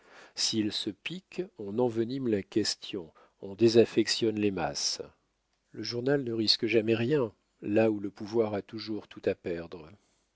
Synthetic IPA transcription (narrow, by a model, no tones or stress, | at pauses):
silsəpikɑ̃nɑ̃vənimlakʲɛst̪jɔ̃ | ɔ̃d̪ezafɛksjɔnlema̰s | ləʒuʁnalnəʁiskəʒamɛʁjɛ̃ | lauləpuvwaʁat̪uʒuʁt̪ʰut̪apɛʁd̪ʁə